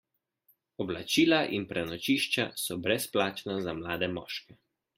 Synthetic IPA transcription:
ɔblat͡ʃiːlaʔinpɾɛnɔt͡ʃiːʃt͡ʃasɔbɾɛsplaːt͡ʃnazamlaːd̪ɛmɔ̰ːʃkɛ

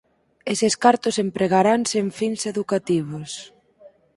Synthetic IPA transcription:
eseskaɾt̪ʊsempɾeɣaɾanseɱfinseðukat̪iβos

